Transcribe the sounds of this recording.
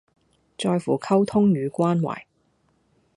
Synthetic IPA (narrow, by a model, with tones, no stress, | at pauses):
t͡ʃɔː˧jfuː˨˩kʰɐ˥wt̪ʰʊ˥ŋjyː˨˧kʷaː˥nwa̰ː˨˩j